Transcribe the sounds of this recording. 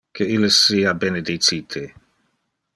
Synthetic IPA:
kʰeilesiːabened̪it͡sit̪ʰe

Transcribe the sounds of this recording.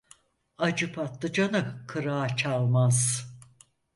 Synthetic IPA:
ad͡ʒɯpʰat̪lˠɯd͡ʒanɯkʰɯɾaːt͡ʃʰalˠmaz̥

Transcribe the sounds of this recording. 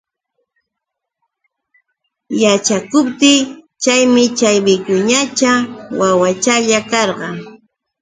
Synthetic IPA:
jat͡ʃakʊpt̪ɪ | t͡ʃajmɪt͡ʃajbɪkʊɲat͡ʃawawat͡ʃaʎakɑɾɢɑ

